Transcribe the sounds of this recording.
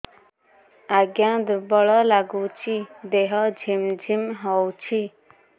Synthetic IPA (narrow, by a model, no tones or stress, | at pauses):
aɡjãd̪bɔɭɔlaɡut͡ʃʰid̪eɦʌd͡zʱimd͡ʒʱimɦɔwt͡ʃʰi